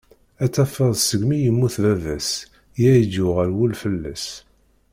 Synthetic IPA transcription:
æt͡sːæfəðˤsəɡmijəmːuθvævæs | jæjəd͡ʒʊʁəɾwulfəlːæ̰s

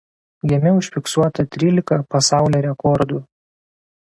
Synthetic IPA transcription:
ɡʲɛmʲɪʊʃʲfʲɪksuɔt̪ɐt̪ʲɾʲiːlʲɪkɐpɐsɑˑʊlʲɛːɾʲɛkɔɾd̪u

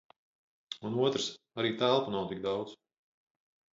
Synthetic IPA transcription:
unuɔt̪ɾɨs | aɾiːt̪ælˠpunawt̪ik̚d̪awd̪z̥

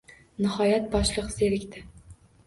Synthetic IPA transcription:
nɪhɒjat̪̚bɒʃlˠɨqseɾɪkʲt̪ɪ

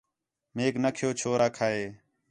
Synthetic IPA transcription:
meːknəkʰɪjoːt͡ʃʰoːɾaːkʰaːeː

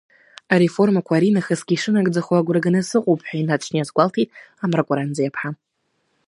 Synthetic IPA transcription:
aɾe̞fo̞rmakʷʰaɾinaχasɡʲiːʂɨnaɡʼd͡zaχʷwaɡʷɾaɡɨnɨsɨqʼowpʰʼħʷᶣainat͡ʃʰnijasɡʷaltʰijtʼamrakʷʼaɾand͡zajapʰħa

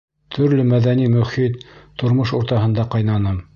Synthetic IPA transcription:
t̪ʰɵ̆ɾlɘmæðænimɵ̆χit̪ːʰŏɾmoʃuɾt̪ɑɦɤ̆nd̪ɑqɑjnɑnɤm

